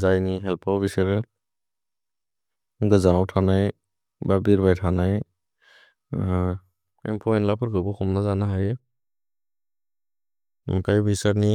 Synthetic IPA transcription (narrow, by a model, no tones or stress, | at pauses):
zajniɦɛlpawbisaɾɛ | ɡɯzaɔwtʰanaj | babiɾbajtʰanaj | ɛ̰mpʰɔɛnlapʰɔɾɡɯbɔxʰɔmnazanaɦaj | mkajbisaɾni